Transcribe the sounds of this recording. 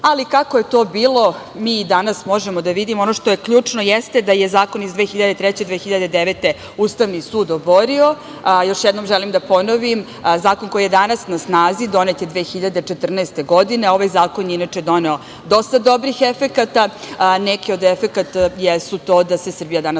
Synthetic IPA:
alikakojet̪o̞ːbiːlˠo̞ | miːd̪anasmo̞ʒemod̪aʋid̪imonoʃt̪o̞jekʎuːt͡ʂno̞jɛst̪e̞d̪ajezaːko̞nizd̪ʋeːxiʎad̪et̪ɾɛt͡ɕed̪ʋeːxiʎad̪ed̪eʋet̪e | uːst̪aʋnisuːd̪oboɾio̞ | joʃjɛd̪nomʒelimd̪apo̞noʋim | zaːkonko̞jije̞d̪anasnasnaːzid̪o̞net̪jed̪ʋeːxiʎad̪et͡ʃet̪r̩nɛest̪eɡo̞d̪ine̞o̞ʋajzaːkonjinat͡ʃed̪o̞neo̞ | d̪o̞st̪ad̪o̞bɾixefekat̪anekiod̪efekat̪ajesut̪oːd̪ase̞sr̩bijad̪ana

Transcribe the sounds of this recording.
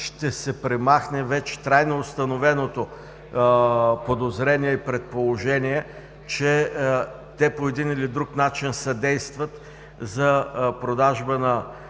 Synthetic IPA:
ʃt̪ɛsɛpɾɛmaxnɛvɛt͡ʃɛ̥t̪ɾajnoːst̪ɐnovɛnot̪o | pod̪ozɾɛniɛipɾɛt̪̚polˠoʒɛniɛ | t͡ʃɛ | t̪ɛpoɛd̪inilid̪ɾuknat͡ʃinsɐd̪ɛjst̪vət̪ | zɐpɾod̪aʒbənɐ

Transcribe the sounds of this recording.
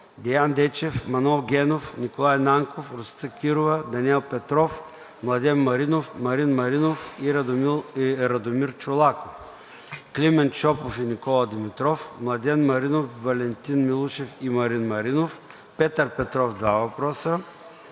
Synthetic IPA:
d̪ɛjand̪ɛt͡ʃɛfmɐnɛlˠɡʲɛnofnʲikolˠajnaŋkofɾʊsit̪səkʲiɾʊvɐd̪ɐnʲiɛlˠpɛt̪ɾɔf | mlˠɐd̪ʲɛnmɐɾinofmɐɾinmɐɾinofiɾˠ | ɾɐd̪omiɾt͡ʃolˠakof | klimɛnt͡ʃɔpofinʲikɔlˠɐd̪imit̪ɾɔfmlˠɐd̪ʲɛnmɐɾinofvɐlʲɛnt̪inmilˠuʃɛfimɐɾinmɐɾinof | pɛt̪əɾpɛt̪ɾɔfd̪vavɐpɾɔsə

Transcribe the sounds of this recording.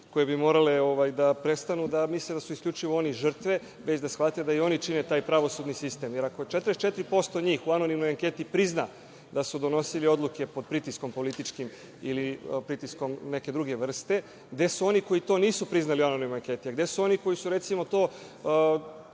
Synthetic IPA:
ko̞je̞bimo̞ːɾale̞o̞ʋajd̪apɾe̞st̪anud̪amisled̪asuiskʎʲut͡ʃiʋooniʒr̩t̪ʋe̞ | ʋe̞t͡ɕd̪asʋat̪ed̪aio̞nit͡ʃinet̪aːjpɾaʋo̞sud̪nisist̪e̞mjeɾakot͡ʃet̪ɾest͡ʃet̪ɾipo̞st̪oɲiːxuano̞nimnojaŋke̞t̪ipɾizna | d̪asud̪ono̞silio̞d̪luke̞pod̪̚pɾit̪isko̞mpo̞lit̪it͡ʃkim | ilipɾit̪isko̞mne̞ke̞d̪ɾuɡe̞ʋr̩st̪e̞ | ɡd̪e̞suo̞niko̞jit̪o̞niːsupɾiznaliuanonimojaŋkʲe̞t̪iaɡd̪e̞suo̞niko̞jisuɾe̞t̪simo̞t̪o̞ː

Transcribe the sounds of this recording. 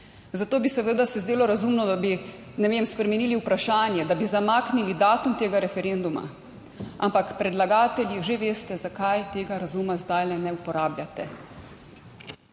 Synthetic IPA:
zat̪oːbisɛʋəːd̪asɛzd̪eːlɔɾazumnɔd̪abi | nɛʋemspɾɛmɛniːliupɾaʃaːnjɛd̪abizamaːknilid̪aːt̪umt̪eːɡaɾɛfɛɾend̪uma̰ | ʔa̰mpakpɾɛd̪laɡaːt̪ɛljiʒeʋeːst̪ɛzakajt̪eːɡaɾazumazd̪ajlɛnɛupɔɾaːbljat̪ɛ

